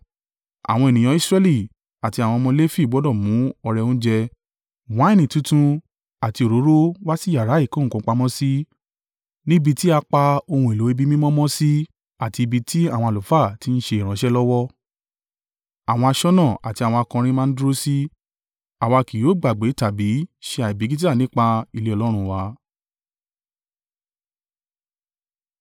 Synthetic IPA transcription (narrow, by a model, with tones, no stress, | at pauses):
a̰˨w̃ɔ̃˧e˨nĩ˨j̃ɔ̃˨˧˦i˦sɾɛ˦li˦˨ | a˨ti˧a˨w̃ɔ̃˧mɔ̃˧le˦fi˦˨ɡ͡bɔ˨˦dɔ˦˨mũ˨˦ɔ˧ɾɛ˧õ˦d͡ʒɛ˧ | wã˨˦i˦˨nĩ˨tũ˦tũ˦ | a˨ti˧o˨ɾo˨˦ɾo˦wa˦si˦˨ja˨ɾa˨˦i˦˨kõ˨˦˨kũ˧˨˦k͡pa˧mɔ̃˦si˦ | nĩ˦bi˧ti˦a˧k͡pa˧o˧hũ˧e˨lo˨˦i˦bi˦mĩ˦mɔ̃˦mɔ̃˦si˦ | a˨ti˧i˧bi˧tʰi˦a˦˨w̃ɔ̃˧a˨lo˨fa˦˨ti˦n̩˦ʃe˧i˨ɾ̃ã˨˦ʃɛ˦lɔ˦wɔ˦ | a˨w̃ɔ̃˧a˧ʃɔ˦nã˦˨a˨ti˧a˨w̃ɔ̃˧a˧kã˧ɾ̃ĩ˦mã˦n̩˦dɾo˦si˦ | a˨wa˧ki˨jo˨˦ɡ͡ba˨ɡ͡be˨˦ta˨bi˨˦ʃe˧a˨i˨bi˨˦ɡi˦t̬i˦a˦˨nĩ˦k͡pa˧i˦˨le˨˦ɔ˧lɔ˦ɾ̃ũ˧wa˨˦